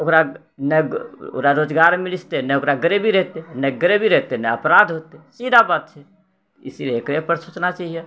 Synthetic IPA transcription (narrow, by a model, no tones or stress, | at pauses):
okɾa | nɛo̰kɾaɾod͡ʒɡaɾmilist̪enɛokɾaɡəɾebʱiɾɛɦt̪enɛɡɾebʱiɾɛɦt̪enɛəpɾad̪ʱɦot̪esid̪ʱabat̪̚t͡ʃʰɛ | isileekɾepəɾsut͡ʃnat͡ʃaɦije